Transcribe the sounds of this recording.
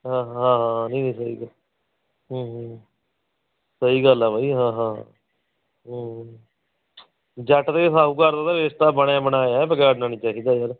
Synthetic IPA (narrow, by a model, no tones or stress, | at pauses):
ɦãːãːɦãːnĩːnĩːs̬əɦḭːɡəl | ɦːɦ | səiːɡəlɛːbaːiːɦãːɦã̰ː | ɦː | d͡ʒəʈt̪esaːuːkəɾd̪aːd̪aɾest̪aːbəɳãːbənaːjaːɛpəkeaɖnaːniːt͡ʃaːɦiːd̪aːd͡ʒəɾ